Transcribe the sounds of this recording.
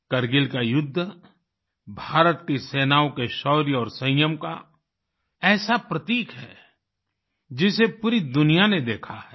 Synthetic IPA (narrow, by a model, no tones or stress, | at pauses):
kɐɾɡɪlkajʊd̪ʱː | bʱaːɾət̪kiseːnaːõkeʃɔːɾjɔːɾsɐ̃jəmka | ɛːsapɾət̪iːkɦɛː | d͡ʒɪsepuːɾid̪ʊnijaned̪eːkʰaɦɛː